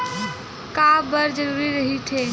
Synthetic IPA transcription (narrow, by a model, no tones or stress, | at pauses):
kabəɾd͡ʒəɾuɾiɾəɦit̪ʰe